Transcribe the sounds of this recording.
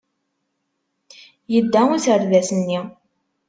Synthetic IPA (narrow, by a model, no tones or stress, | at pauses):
jəd̪ːæuθəɾðæsənːi